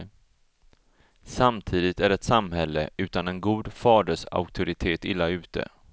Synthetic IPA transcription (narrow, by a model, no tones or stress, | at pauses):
samt̪ʰiːd̪ɪt̪æɖɛt̪samhɛlːə̰ʔʉ̟ːt̪anɛnɡuːd̪fɑːɖəʂa̰ʊk̚t̪ʰʊɾɪt̪ʰeːt̪ɪlːaʉ̟ːt̪ʰə̰